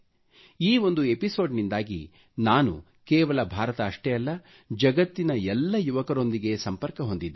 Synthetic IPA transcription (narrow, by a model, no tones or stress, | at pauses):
iːo̞nd̪ue̞piso̞ːɖnind̪aːɡḭ | naːnṵ | keːʋɐlɐbʱaːɾɐt̪ɐːʂʈɛjɐlːɐ | d͡ʒɐɡɐt̪ːinɐɛlːɐjuʋɐkɐɾo̞nd̪iɡe̞sɐmpɐɾkɐɦo̞nd̪id̪ːe